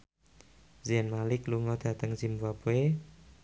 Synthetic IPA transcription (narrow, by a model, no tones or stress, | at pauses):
ziənmalɪkluŋɔd̪̥a̤t̪əŋzimbuabue